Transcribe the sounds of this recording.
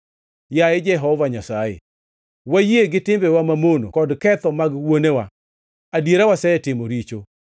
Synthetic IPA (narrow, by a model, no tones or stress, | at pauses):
jaed͡ʒɛɦɔvaɲasajḛ | wajieɡɪtɪmbɛwamamono̰kɔdkɛt̪ɔmaɡwonewa | adjeɾawasɛɛtɪmoɾit͡ʃo